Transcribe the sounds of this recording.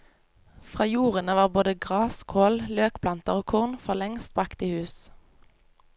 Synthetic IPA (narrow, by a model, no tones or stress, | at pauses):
fʁɑːjuːʁənəʋɑːʁboːd̪əɡʁɑːskʰoːlløːkpʰlɑnt̪əʁoːkʰʊʁnfɔʁlɛŋst̪̚bʁɑkt̪iːhʉːs